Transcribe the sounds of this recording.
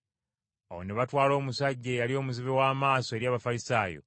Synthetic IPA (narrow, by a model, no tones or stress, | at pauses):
awone̞βatwaːlo̞ːmusaɟːe̞jalio̞ːmuziβewaːmaːso̞e̞ɾjaːβafalisaːjo̞̰